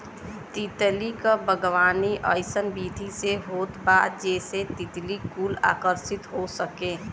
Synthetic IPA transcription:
t̪it̪likabʱəɡʋaːniʔə̰ɪsənbiːd̪ʱiseɦoːt̪baːt̪̚d͡ʒɛːset̪it̪likuːla̰ːkəɾsɪt̪ɦosəkẽː

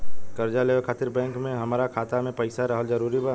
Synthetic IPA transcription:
kɐɾd͡ʒaleːʋəkʰaːt̪ɪɾbɛ̃ːŋkmẽɦɐmaːɾakʰaːt̪amẽpɐɪsaɾɐɦəlzɐɾuːɾiba

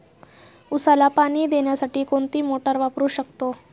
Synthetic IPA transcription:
usalapaɽ̃iːd̪eɳjasaʈiːkoɳt̪iːmoʈəɾʋapɾuːɕəkt̪o

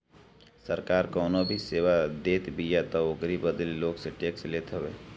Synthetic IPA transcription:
səɾkaːɾkɔːnobʱiseːwad̪eːt̪bijat̪ɔokɾibəd̪əlloːɡseʈeːksleːt̪ɦəʋeː

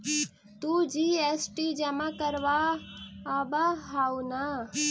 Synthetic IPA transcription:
t̪ud͡ʒiesʈid͡ʒəmakəɾʋaː | baɦauna

